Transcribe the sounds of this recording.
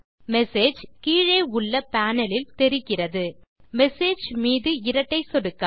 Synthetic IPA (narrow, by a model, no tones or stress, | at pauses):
mɛseːd͡ʒkiːɻeːʊɭːɐpaːnɐlɪlt̪ɛɾɪkːɪrɐðɯ | mɛseːd͡ʒmiːðɯɪɾɐʈːɐɪsɔɽɯkːa